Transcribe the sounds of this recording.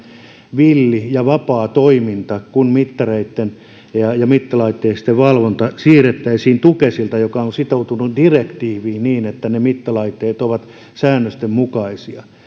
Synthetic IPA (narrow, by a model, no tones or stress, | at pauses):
ʋilːijɑʋɑpɑːt̪oimint̪ɑkunmit̪ːɑreit̪ːen | jɑjɑmit̪ːɑlɑit̪ːeist̪eʋʋɑlʋont̪ɑsiːret̪ːæisiːnt̪ukesilt̪ɑjokɑonsit̪out̪unudirekt̪iːʋiːniːnet̪ːænemit̪ːɑlɑit̪ːeːt̪oʋɑt̪ | sæːnːøst̪emmukɑisiɑ